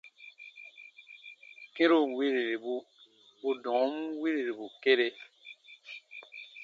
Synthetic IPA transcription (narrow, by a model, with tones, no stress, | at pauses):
kĩ˦ɾu˦˨wi˦ɾe˨ɾi˨bu˦ | bu˦dɔ̃˨˦m˦wi˦ɾi˨ɾi˨bu˨ke˦ɾe˦